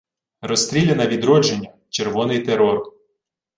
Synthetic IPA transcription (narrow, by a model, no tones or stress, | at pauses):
rɔst̪ɾʲilʲenɐʋʲid̪ɾɔd͡ʒenʲːɐ | t͡ʃerʋɔnɪjt̪eɾɔr